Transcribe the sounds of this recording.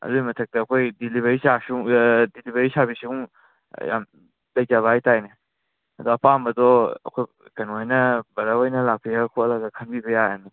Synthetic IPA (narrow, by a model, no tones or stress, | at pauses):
ɐ̰lujmɐtʰɐk̚tɐːkʰojdiliβɐisasuŋdilibɐɾisabisiuŋ | ja̰m | lɐjd͡ʒaβaajtajne | ɐdɔɐpambɐdɔɐ̰kʰoj | kɐnuajnɐbɐɾawojnɐlak̚pʰijakʰoɐlaɡɐkʰɐnbibɐjaani